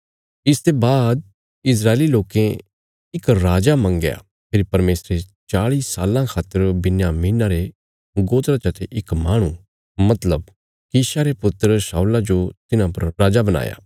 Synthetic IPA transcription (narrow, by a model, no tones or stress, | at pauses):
ɪst̪ebaːd̪̚ | ɪs̬ɾaːeliloːkẽ | ɪkɾaːd͡ʒamɐ̃ŋɡja̰ | pʰɪɾipɐɾmeːsɾet͡ʃaːɭiːsaːlãkʰaːt̪ːəɾbɪnjaːmiːnaɾe | ɡoːt̪ɾat͡ʃɐt̪ʰeʔɪkmaːɽ̃ũ | mɐt̪ləb̚ | kiːʃaɾepʊt̪ːəɾsaːulad͡ʒot̪ɪnãpɐɾɾaːd͡ʒabɐña̰ːja̰ː